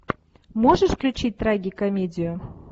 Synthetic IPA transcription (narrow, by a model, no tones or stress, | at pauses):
moʐɨʂfklʲʉt͡ɕit̚ʲt̪ɾaɡʲɪkɐmʲedʲɪjʊ